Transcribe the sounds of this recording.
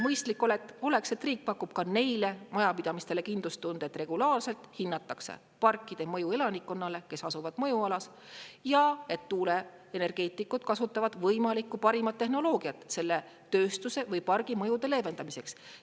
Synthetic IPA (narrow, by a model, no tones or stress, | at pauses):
mɤjst̪likːˑo̞let̪ˑːo̞le̞kse̞t̪riːk̚pɑkːˑub̥̚kɑne̞jlemɑjɑpid̪̥ɑmist̪e̞le̞kind̪lust̪und̪̥eet̪ːˑre̞ɡ̥ulɑːrse̞lt̪hinːɑt̪ːˑɑksḛ | pɑrkːˑid̪̥e̞mɤjue̞lɑnikːo̞nːɑle̞ke̞sɑsuvɑd̪̥mɤjuɑlɑs | jɑe̞t̪ːuːle̞ | ene̞rɡ̥e̞ːt̪ːˑikːˑud̪̥kɑsut̪ːˑɑvɑd̪̥vɤjmɑlikːˑupɑɾimɑt̪ːe̞ɦno̞lo̞ːɡ̥iɑt̪se̞lːe̞ | t̪ø̞ːst̪use̞vɤjpɑrɡ̥imɤ̞jud̪e̞le̞ve̞nd̪̥ɑmise̞ks